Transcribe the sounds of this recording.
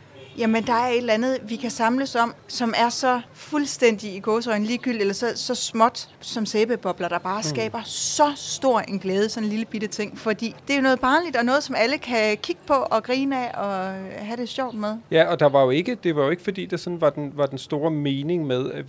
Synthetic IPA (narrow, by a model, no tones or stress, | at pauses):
jæmənd̥ɑ̈æɐe̝d̥lænð̩ˠʋikʰæsɑ̈mləsɒ̽m̰sɒ̽mæɐsɒ̽fulsd̥en̰d̥iiɡ̥ɔːs̬ɒɪn̩liːɡ̥yl̰elɐsɒ̽sɒ̽smɒ̽d̥sɒ̽mseːb̥eb̥ɒb̥lɐd̥ɑ̈b̥ɑ̈ːsɡ̥ɛ̰ːb̥ɐsɒ̽sd̥o̝ɐ̰e̝nɡ̥lɛːð̞ˠəsɒ̽nliləb̥id̥ət͡sʰe̝ŋ̰fɒ̽d̥ḭːd̥e̝æjonɔ̽ːð̩ˠb̥ɑ̈ːnlid̥ɒnɔ̽ːð̞̩ˠsɒ̽mæləkʰækʰiɡ̥ə̥pʰɒ̽ʔɒ̽ɡ̥ʁiːnæʔɒ̽ɦæɾ̥e̝sjɒʊ̰d̥̚með̞ˠjæɒ̽d̥ɑ̈ʋɑ̈jo̝e̝ɡ̥əd̥e̝ʋɑ̈jo̝e̝ɡ̥əfɒ̽d̥ḭːd̥ɑ̈sɒ̽nʋɑ̈d̥enʋɑ̈d̥ensd̥o̝ːɐme̝ːne̝ŋmeð̞ˠæ